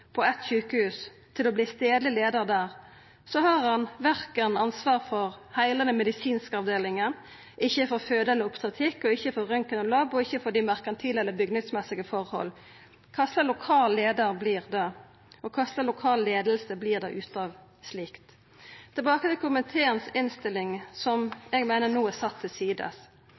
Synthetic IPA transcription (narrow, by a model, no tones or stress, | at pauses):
pʰɔɛt̪ɕʉːkəhʉːs | t̪ʰɪlɔbliːst̪eːd̪lɪleːd̪əʁd̪æːʁ | sɔhɑːʁhɑnʋæʁkənɑnsʋɑːʁfɔʁhæɪlɑnəmɛd̪ɪsiːnskəɑʋd̪eːlɪŋən | ʔɪçːəfɔʁføːd̪əɛlːəʊpsɑt̪ʰɪkːɔɪçːəfɔʁœŋkənɔlɑbɔɪçːəfɔd̪iːmæʁkɑnt̪ʰiːlɛlːəbʏɡnəɡ̪smɛsɪɡəfɔʁhɔ̰lː | kʰɑsləlʊkʰɑːlleːd̪əɾbliːʁd̪ɛ | ɔkʰɑsləlʊkʰɑːlːeːd̪əlsəbliːʁd̪ɛ̰ʔʉːt̪ɑːʋ | sliːkt̪ | t̪ʰɪlbɑːkət̪ɪlkʰʊmənt̪ʰeːənsɪnst̪ɪlːɪŋsɔmɛɡmeɪnənuːæsɑt̪ʰːɪlsiːd̪ə̰s